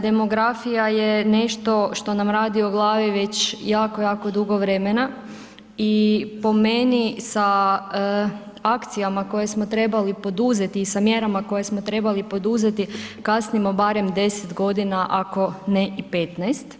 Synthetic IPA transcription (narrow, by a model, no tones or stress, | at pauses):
d̪e̞mo̞ɡɾafijajene̞ʃt̪o̞ʃt̪o̞namɾaːd̪ioɡlˠaːʋiʋe̞t͡ɕjaːko̞jaːko̞d̪uɡo̞ʋɾe̞mena | ipo̞me̞nisa | akt̪sijamako̞je̞smo̞t̪ɾe̞balipo̞d̪uze̞t̪iːsamjeɾamako̞jesmot̪ɾe̞balipo̞d̪uze̞t̪ikasnimo̞baɾe̞md̪e̞set̪ɡo̞d̪inaʔako̞neʔipe̞t̪najst̪